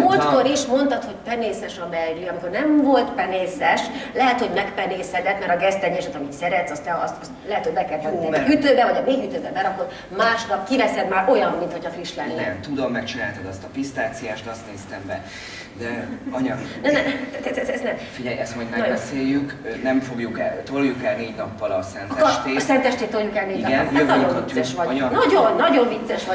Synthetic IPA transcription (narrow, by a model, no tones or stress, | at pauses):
mult̪ko̞ɾiʃmo̞nt̪ɒt̪ho̞cpɛneːsɛʃɒbɛlɡiɒmiko̞rnɛmvolt̪pɛneːsɛʃlɛɦɛt̪ho̞ɟmɛkpɛneːshɛd̪ɛt̪mɛɾɒɡɛzt̪ɛɲɛʃɛt̪ɒmit̪sɛɾɛt̪sɒst̪ɛɒst̪ɒst̪lɛɦɛt̪ho̞ɟʲbɛkɛlt̪ynːɛyt̪øːbɛvɒɟɒmeːɡyt̪øːbɛbɛɾɒkːor | maːʃnɒpkivɛsɛd̪maːɾʔo̞jɒmːint̪ho̞cʰɒfriʃlɛnːɛmt̪ud̪omːɛkt͡ʃinaːlt̪ɛd̪ɒst̪ɒpist̪aːt̪sijaːʃt̪ɒst̪neːst̪ɛmbɛ | d̪ɛɒɲɒnɛnɛt̪ɛt̪ɛtɛzɛznɛmfiɟɛjɛst̪mɒjd̪mɛnɒbɛseːjːykønɛmfo̞ɡjukɛt̪oljukɛlneːɟnɒpːɒlɒsɛntk̪ɛoʃt̪eːsɛnt̪ɛʃt̪eːt̪ːoljukɛlneːinɒɡɛnønɒosɛʃʋɒnɒɟonːɒɟo̞ɱvit̪sːɛʃʋɒ